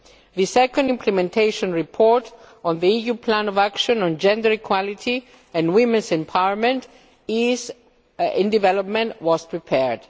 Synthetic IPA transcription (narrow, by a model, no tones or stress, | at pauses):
ðɨsɛkə̃ndɪ̃mpʰlɨmɛ̃ntʰeɪʃɔ̃nɹipʰɔɹt | ɔ̃nðiijupʰlæ̃nɔvækʃə̃nɔ̃nd͡ʒɛ̃ndə˞ikʰw̥ɔlɪtʰi | ɨ̃nwɪ̃mɨ̃nsɛ̃mpʰaɪɹmɛ̃nt | ɪz | ɪ̃ndɨvɛlɔp̚mɛ̃nʔwɔz̥pʰɹipʰɛɹd̥